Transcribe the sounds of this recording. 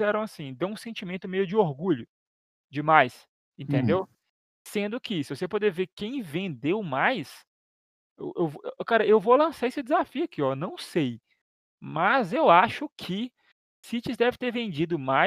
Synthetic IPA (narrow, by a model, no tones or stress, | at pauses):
ɛɾɐ̃w̃asĩd̪ɐ̃ũsẽt͡ʃimẽnt̪ʊmejʊd͡ʒɪoɾɡuʎʊ | d͡ʒɪmajs | ẽnt̪ẽnd̪ew | sẽnd̪ʊkɪsɪvosepod̪evekẽj̃vẽnd̪ewmajs | ḛwʔewvokaɾɐʔewvolɐ̃saesɪd̪ɪzafiʊɐkʰiɔnɐ̃w̃sej | mɐzewaʃʊkʰɪ | sit͡ʃɪzd̪ɛvɪt̪eɾvẽnd͡ʒid̪ʊma